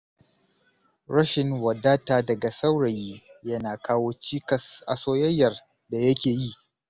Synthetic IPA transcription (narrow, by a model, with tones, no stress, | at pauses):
ɽɐ˦ʃɪ˨ŋwɐ˨daː˦taː˨dɐ˨ɡa˨sa˦wɽɐ˨jiː˦jɐ˦naː˨kʰaː˦woː˦t͡ʃiː˦kɐ˨sʔa˨soː˦jɐ˦jːɐ˨r | da˨jɐ˦kʲeː˨ji˦˨ʔ